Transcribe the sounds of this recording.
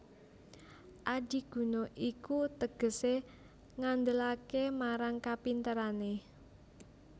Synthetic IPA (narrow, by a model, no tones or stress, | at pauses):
ʔaɖiɡ̥ṳnoʔikut̪əɡ̥ə̤se | ŋand̪əlakemaɾaŋkapint̪əɾane